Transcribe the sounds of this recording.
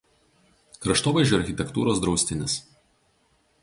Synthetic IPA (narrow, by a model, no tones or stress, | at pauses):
kɾɐʃt̪oːʋɐɪʒʲd͡ʒʲʊɐɾʲxʲɪt̪ʲɛkt̪ṵːɾoːsd̪ɾɒʊsʲt̪ʲɪnʲɪs